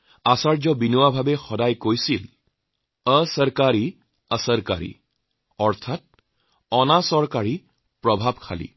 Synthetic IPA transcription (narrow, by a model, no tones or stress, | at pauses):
asaɹd͡ʒɔbinuwabʱabexɔdajkojsil | əsəɹkaɹi | əsəɾka̰ɹḭ | ɔɹt̪ʰat̚ | ɔnasɔɹkaɹi | pɹɔbʱab̚kʰa̰lḭ